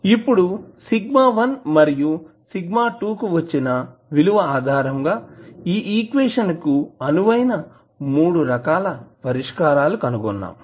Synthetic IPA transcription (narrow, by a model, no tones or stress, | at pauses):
ipːuɽusiɡmaːʋɐnmɐɾiju | siɡmaːʈuːkuʋɐt͡ʃːinɐʋiluʋɐaːd̪ʱaːɾɐŋɡaːiːʔiːkʋeːʂɐnkuɐnuʋɐjnɐ | muːɽuɾɐkaːlɐpɐɾiʂkaːɾaːlukɐnuɡɔnːa̰ːm